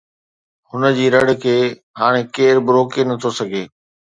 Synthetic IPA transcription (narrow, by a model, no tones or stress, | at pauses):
hʊnəd͡ʑiːɾɐɽkʰeː | ɦaːɽ̃ẽkeːɾbʊɾoːkenɐt̪ʰosɐɡʱeː